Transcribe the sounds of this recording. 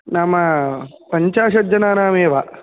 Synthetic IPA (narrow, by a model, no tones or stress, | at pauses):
namɐpɐɲt͡ʃaːʃɐd͡ʒɐnaːnaːmeːʋa